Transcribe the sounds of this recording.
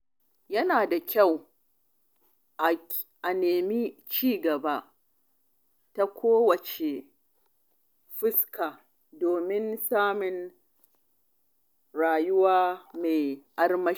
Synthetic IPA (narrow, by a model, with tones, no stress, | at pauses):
jɐ˦naː˨da˨kʲʰa˦˨w | ʔa˨neː˨mi˦t͡ʃiː˦ɡɐ˨ba˦ʔ | ta˦kʷʰoː˦wɐ˨t͡ʃe˨ | ɸɪ˦skaː˨ | doː˨mɪ˦nsaː˦mɪ˨n | ɽaː˨jʊ˦waː˦me˨ʔa˦rmɐ˦